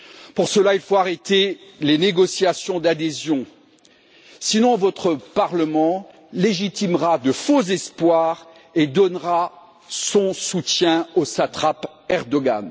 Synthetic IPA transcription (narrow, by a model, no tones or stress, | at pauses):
puʁsəlailfoaʁet̪eleneɡɔsjasjɔ̃d̪ad̪ezjɔ̃ | sinɔ̃vɔt̪χəpaʁləmɑ̃ | leʒit̪imʁad̪əfozɛspwaʁ | ed̪ɔnʁa | sɔ̃sut̪jɛ̃osat̪χapɛʁd̪ɔɡa̰n